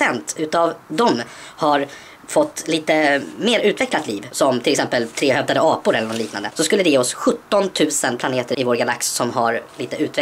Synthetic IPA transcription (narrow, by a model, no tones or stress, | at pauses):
ɛnt̪ʉ̟ːt̪avd̪ɔmhaɾ | fɔt̪ːliːt̪əmeːɾʉ̟ːt̪vɛklat̪liːvsɔmt̪ʰɪlɛksɛmpəlt̪ʰɾeːhœvd̪ad̪əɑːpʊɾɛlːɳɔnliːknand̪əsɔskɵlːəd̪ɛjeːɔsɧɵt̪ːɔnt̪ʰʉ̟ːsənpʰlaneːt̪əɾɪvoːɾɡala̰ksːɔmɦaɾliːt̪əʔʉ̟ːt̪vɛ